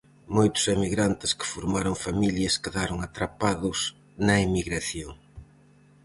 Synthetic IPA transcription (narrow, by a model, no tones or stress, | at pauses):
mojt̪ʊ̥semiɣɾant̪ɪskɪ̥foɾmaɾoŋfamiljɐskeðaɾoŋat̪ɾapaðʊs | nɐemiɣɾaθjoŋ